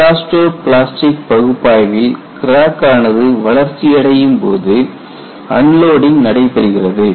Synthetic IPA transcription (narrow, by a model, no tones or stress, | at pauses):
aːsʈoːɾpɪɭaːsʈɪk̚pɐɣɯpːaːjʋɪlkɪɾaːkaːnɐðɯʋɐɭɐɾt͡ʃːɪjɐɽɐjɯmpo̰ːðɯ | ɐnloːɽɪŋnɐɽɐɪpːɛɾɯɣɪrɐðɯ